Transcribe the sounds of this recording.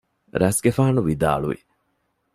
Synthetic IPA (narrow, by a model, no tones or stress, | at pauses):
ɾæsɡefaːnuʋid̪a̰ːɭṵʋḭ